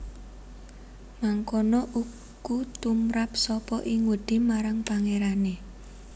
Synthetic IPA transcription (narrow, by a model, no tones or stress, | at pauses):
maŋkonɔʔu | kut̪umɾap̚sɔpɔʔɪŋwəɖ̪̥i̤maɾaŋpaŋeɾane